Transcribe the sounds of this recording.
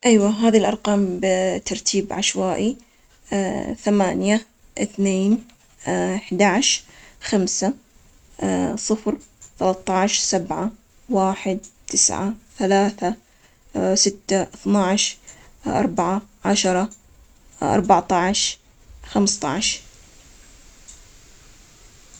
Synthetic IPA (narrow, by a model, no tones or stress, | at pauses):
ʔajwaɦaːðilʔɑɾˤqɑːmbt̪ːɑɾˤt̪ʰiːbʕaʃwaːʔi | θamaːnja | ʔɪθneːn | ħd̪aʕʃxamsa | sˤɨfɾθalɑt̪ˤːɑʕʃsabʕa | waːħɪd̪̚t̪ɪsʕa̰θalaːθa | sɪt̪ːaʔθnɑʕʃ | ʔɑ̰ɾˤbaʕaʕaʃɑɾˤɑ | ʔɑ̰ɾˤbaʕt̪ˤɑʕʃ | xamst̪ˤɑ̰ʕʃ